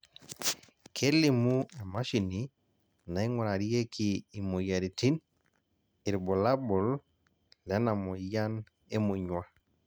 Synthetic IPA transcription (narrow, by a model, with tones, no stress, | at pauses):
kʰe˦li˨mu˦ɛ˨ma˦ʃi˨ni˦ | na˨i˦ŋɔ˨ɾa˨ɾi˦e˦kʰiː˨mo˨ja˨ɾi˨ti˦n | i˨ɾbɔ˨la˦bɔ˨l | lɛ˨˦na˨mɔ˨ja˦n | e˦mu˨ɲwa˦